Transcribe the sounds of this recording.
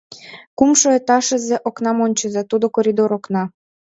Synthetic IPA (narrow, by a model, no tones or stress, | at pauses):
kumʃoet̪ɑʃə̆zĕʔoknɑmonʲt͡ɕəzet̪ud̪okoɾʲid̪oɾoknɑ